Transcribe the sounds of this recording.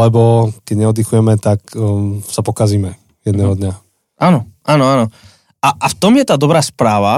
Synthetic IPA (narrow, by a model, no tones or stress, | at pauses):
ɛbɔkɛɟɲɛɔd̪ixujɛmɛt̪aksapɔkaziːmɛ | jɛd̪nɛːɦɔd̪ɲa | ʔaːnɔʔaːnɔanɔ | aʔaft̪ɔmjɛt̪aːd̪ɔbɾaːspɾaːʋa